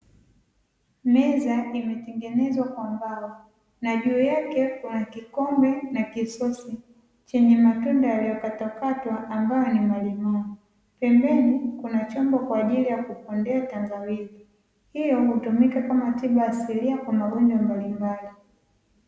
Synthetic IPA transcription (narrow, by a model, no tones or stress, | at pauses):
mɛzaimɛtɛŋɡɛnɛzwakwambawa | naʄuːjakɛkunakikɔmbɛnakisɔsi | t͡ʃɛɲɛmatundajalijɔkatakatwaʔːmbajɔnimalimai | pɛmbɛnikunat͡ʃɔmbɔkwaːʄilijakupɔndɛatambawili | hijɔhutumikakamatiɓaasiɾiakwamaɠɔɲd͡ʒwambalimbali